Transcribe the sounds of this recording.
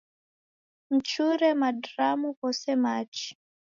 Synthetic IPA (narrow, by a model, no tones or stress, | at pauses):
m̩t͡ʃuɾɛmadɾamukɔsɛmaːt͡ʃi̥